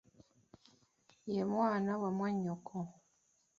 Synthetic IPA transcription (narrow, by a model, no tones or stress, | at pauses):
jemwaːnawamwaɲokʰo